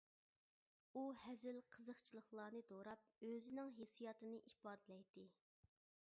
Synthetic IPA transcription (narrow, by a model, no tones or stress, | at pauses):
uhɛzɪlqʰəzəχt͡ʃʰilˠəχlˠɑːnɨd̪oɾɑp̚øzɪnɪŋɦesijɑːt̪ʰɨnɨʔipɑːd̪ɪlɛjd̪ɪ